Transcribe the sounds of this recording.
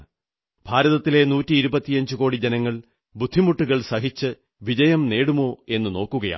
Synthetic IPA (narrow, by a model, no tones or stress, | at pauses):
bʱaːɾɐðɐt̪ːile̞nuːtːiːɾubɐt̪ːijɐɲd͡ʑɨko̞ːɽid͡ʑenɐŋːɐɭ | bud̪ʱːimuʈːuɣɐɭsɐɦit͡ɕːɨ | ʋid͡ʑɐjɐmne̞ːɽumo̞ːe̞nːɨno̞ːkːuɣɐja̰